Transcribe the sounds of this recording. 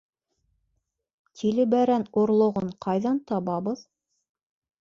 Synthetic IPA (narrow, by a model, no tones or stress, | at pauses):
t̪ʲʰilɘ̆bæɾænuɾlˠŏʁoɴqʰɑjðɑnt̪ɑβɑβɤð